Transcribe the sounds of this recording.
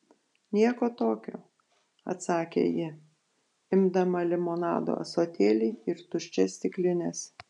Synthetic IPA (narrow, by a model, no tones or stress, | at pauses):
nʲiɛkoːt̪oːkʲo̰ː | ɐ̰t̪sɑːkʲḛjɪ | ɪmd̪ɐmɐlʲɪmoːnɑ̰ːd̪o̰ːɐ̰soːt̪ʲeːlʲɪɪɪɾt̪ʊʃʲt͡ʃʲɛsʲt̪ʲɪklʲɪnʲes